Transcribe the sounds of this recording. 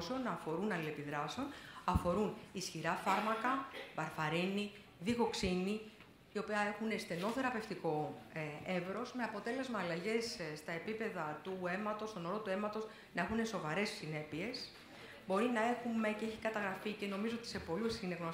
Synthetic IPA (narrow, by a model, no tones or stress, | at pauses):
seo̞nɐfo̞ɾunɐlie̞piðɾɐseonɐfo̞ɾunisçiɾɐfɐɾmɐkɐbɐɾfɐɾini | ðixo̞ksini | io̞piɐe̞xune̞st̪e̞no̞θe̞ɾɐpe̞ft̪iko̞ | e̞vɾo̞sme̞ɐpo̞t̪e̞le̞zmɐːlɐʝe̞sst̪ɐe̞pipe̞ðɐt̪ue̞mɐt̪o̞st̪o̞noɾo̞t̪ue̞mɐt̪o̞z | nɐe̞xune̞so̞vɐɾe̞ssine̞pie̞s | bo̞ɾinɐe̞xume̞ceeçikɐt̪ɐɣɾɐfice̞no̞mizo̞o̞t̪ise̞po̞lusineɣno